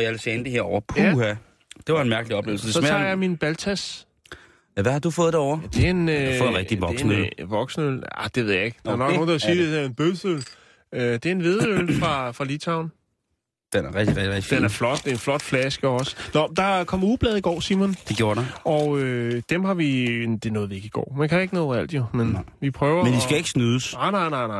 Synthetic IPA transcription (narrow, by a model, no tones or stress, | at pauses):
jaʋelsiend̥əɦeɐɒʊɐpʰuhæ | d̥e̝ʋɑ̈e̝nmæɐɡ̥əliɒ̽b̥lḛːl̩sd̥esmæ̰jɑminb̥ælt͡sʰæs | æʋæhɑ̈d̥ufɔ̽ːðˠd̥eɐɒ̰ʊ̰ɐd̥e̝e̝nfɔ̽ːð̩ˠʁɛɡ̥̚iʋɒ̽ɡ̥sn̩əø̰lʋɒɡ̥sn̩əøla̰d̥e̝ʋe̝ðˠjɑe̝ɡ̥d̥ɑæɐnɔ̽ɡno̝ːnd̥ɑsiːd̥e̥eenb̥øsøl | ød̥e̝e̝nʋe̝ðˠølfʁɑ̈fʁɑ̈lit͡sʰɑ̈ʊ̰n | d̥enæɐʁɛɡ̥d̥id̥enæɐflɒ̽d̥nflɒ̽d̥flæsɡ̥əɒ̽sə̥nɒd̥ɑ̈kʰɒ̽m̰ɐuːb̥lɛð̞̩ˠiɡ̥ɒ̰ːsimɔnd̥e̝ɡ̥jo̝ːɐɾɒ̽ød̥emhɑ̈ʋid̥e̝nɔːðˠʋie̝ɡ̥iɡ̥ɒ̰ːmænkʰæe̝ɡ̥ənɔ̽ːðˠæl̰d̥jo̝menʋipʰʁœːʊɐmend̥isɡ̥æe̝ɡ̥ə̥snyːðˠəsnɑ̈ɪnɑ̈ɪnɑ̈ɪnɑɪ